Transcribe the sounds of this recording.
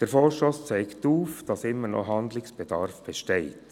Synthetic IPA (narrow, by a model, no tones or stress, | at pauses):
d̥əɾfɔːɾʃtost͡sɛɪktuːfd̥ɑsɪmːənɔ̰ɦɑnd̪lɪksb̥ɛd̥ɑɾfb̥ɛʃtɛɪt